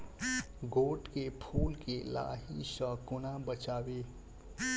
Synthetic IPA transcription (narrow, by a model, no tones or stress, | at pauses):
ɡoːʈkepʰuːlkela̰ːɦisə̃kʊnabət͡ʃaːwe